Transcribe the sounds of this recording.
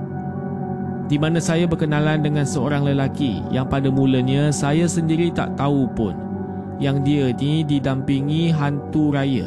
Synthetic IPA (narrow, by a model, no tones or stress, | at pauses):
dimãnãsajabərkənãlandəŋãnsəoɾaŋləlakijaŋpadamũləɲãsajasəndiɾit̪a̰ʔt̪aupʊ̰n | jaŋdiənididampiŋĩɦant̪uɾajə̰